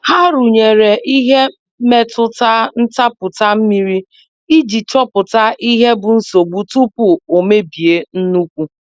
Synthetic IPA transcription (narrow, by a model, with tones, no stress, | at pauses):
ha˦ɾu˨ɲe˨ɾe˨ʔi˦ɦe˦ | me˦tʊ˦ta˦n̩˦ta˦pʊ˨ta˦m̩˦mi˦ɾi˦ | i˦d͡ʒi˨t͡ʃɔ˦pʊ˨ta˦ʔi˦ɦe˦bʊ˨n̩˦so˨ɡ͡bu˦tu˦pʊ˨o˨me˦bi˨e˦n̩˦nu˦kʷu˦